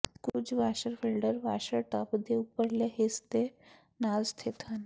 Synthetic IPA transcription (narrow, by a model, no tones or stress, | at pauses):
kud͡ʑʋaɕəɾfelɖəɾʋa̰ɕəɾʈapd̪ʱeupəɾlaɦest̪e | nazt̪ʰet̪ʰan